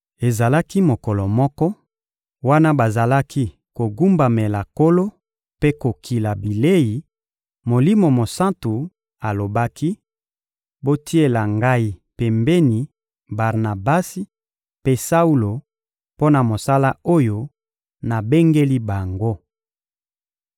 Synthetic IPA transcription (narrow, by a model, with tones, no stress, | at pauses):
e˨za˨la˦ki˦mo˨kɔ˨lɔ˨mɔ˦kɔ˦ | wa˦na˦ba˨za˨la˦ki˦ | ko˨ɡu˦mba˨me˨la˨ko˦lo˦ | pe˦ko˨kʰi˨la˨bi˨le˦ji˨ | mo˨li˦mo˨mo˨sã˦ntu˨ | a˨lo˨ba˦kʰi˦ | bo˦tʰi˦e˦la˨ŋɡa˦i˦pe˨mbe˦ni˨ | ba˨ʁna˨ba˦si˦ | pe˦sa˦u˦lo˨ | po˦na˨mo˨sa˦la˦o˦jo˦ | na˨be˦ŋɡe˦li˦ba˨ŋɡo˦